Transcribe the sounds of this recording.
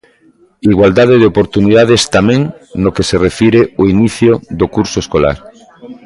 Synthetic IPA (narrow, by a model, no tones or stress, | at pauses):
iɣwald̪að̞eðeopoɾt̪uniðað̞est̪amẽŋnokeserefiɾeoiniθjoðokuɾsoeskola̰ɾ